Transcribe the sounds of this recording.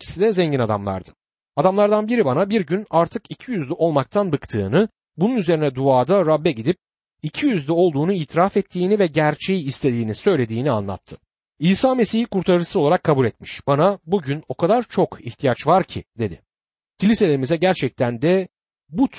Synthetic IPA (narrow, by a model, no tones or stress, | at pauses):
cʰi̥sid̪ɛzɛɲɟinad̪a̰mlˠa̰ɾd̪ɯ̥ | ad̪amlˠaɾd̪anbiɾibanabiɾɟynaɾt̪ʰɯkicʰijyzlʲyʔo̞lˠmak̚t̪ʰanbɯkt̪ʰɯ̰ːnɯ | bununyze̞ɾinɛd̪uaːd̪aɾabːɛɟid̪ip̚ | icʰijyzlʲyo̞lˠd̪uːnuiːt̪ʰiɾafɛt̪ʰːiːnivɛɟæɾt͡ʃʰe̞jiːst̪ʰe̞d̪iːnisø̞jlʲe̞d̪iːnia̰nlˠa̰t̪ʰːɯ̥ | iːsaːme̞sihikuɾt̪ʰaɾɯɾsɯzo̞lˠaɾakʰːabulʲɛt̪̚miʃb̥anabuɟyno̞kʰad̪aɾt͡ʃʰo̞kiht̪ʰijat͡ʃvaɾcʰid̪e̞̰d̪ɪ | cʰilʲiselʲeɾimizɛɟæɾt͡ʃʰɛc̚t̪ʰænd̪ɛ | but̪